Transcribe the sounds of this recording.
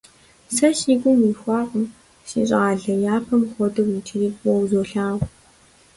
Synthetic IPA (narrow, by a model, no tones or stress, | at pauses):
sɐʃiːkʷʼʊmiːxʷɑːqəm | ʃḭːɕʼaːɮɐjaːpʰɐmχʷɔtʼɨwitʰɪriːwɔwzoːɬaːwʷ